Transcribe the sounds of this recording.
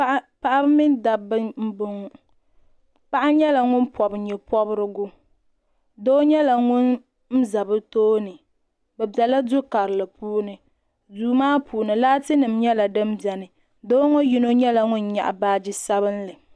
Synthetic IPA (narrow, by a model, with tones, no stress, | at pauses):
pa˨ʔa˦bmɪ˦nda˨bɨ˦m̩˦bʊ˦ŋ˦ | pa˦ʔa˦ɲɛ˦la˨ŋʊ˦npɔ˨bɲɛ˨pɔ˦bɾɨ˦ɡʊ˦ | do˦ɲɛ˦la˨ŋʊ˦n | m̩˦za˨bɨ˦toː˦nɨ˨ | bɛ˨bɛ˨la˦dʊ˦ka˨ɾɨ˨lɨ˨puː˦nɨ˨ | duː˦maː˦pʰuː˨nɨ˨laː˦tɨ˦nɨ˨mɲɛ˦la˨dɨ˦m˦bɛ˨nɨ˨ | doː˦ŋo˦ji˦no˦ɲɛ˦la˨ŋʊ˦nɲa̰˨ʔa̰˨baː˦d͡ʒi˦sa˦βɨ˦nlɨ˨